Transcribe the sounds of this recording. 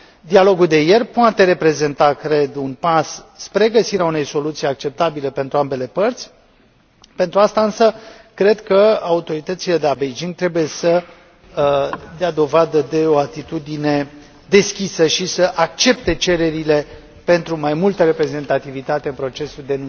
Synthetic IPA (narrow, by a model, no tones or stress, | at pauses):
d̪ialo̞ɡuld̪e̞je̞rʲpoat̪e̞ɾe̞pɾe̞ze̞nt̪akɾe̞d̪unpasːpɾe̞ɡəsiɾeaune̞jso̞lut̪sijak̚t͡ʃe̞p̚t̪abilepe̞nt̪ɾuambe̞le̞pərt̪sʲ | pe̞nt̪ɾuast̪aɨnsə | kɾe̞d̪kəaut̪o̞ɾit̪ət̪sile̞d̪e̞labejd͡ʒiŋɡt̪ɾe̞buje̞sə | d̪jad̪o̞vad̪əd̪e̞o̞at̪it̪ud̪ine̞ | d̪e̞skʲisəʃisəʔak̚t͡ʃe̞p̚t̪e̞t͡ʃe̞ɾe̞ɾile̞ | pe̞nt̪ɾumajmult̪əɾe̞pɾe̞ze̞nt̪at̪ivit̪at̪eɨnpɾo̞t͡ʃe̞suld̪e̞nu